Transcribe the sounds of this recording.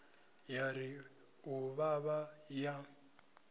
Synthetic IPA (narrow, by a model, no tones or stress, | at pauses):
jaɾi | uβaβaja